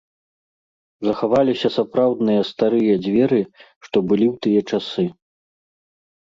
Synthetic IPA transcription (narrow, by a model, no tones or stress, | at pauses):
zɐxavalʲisʲɐsapɾawd̪nɨjɐst̪aɾɨjɐd͡zʲvʲɛɾɨ | ʂt̪ɔbɨlʲiwt̪ɨjɐt͡ʂasɨ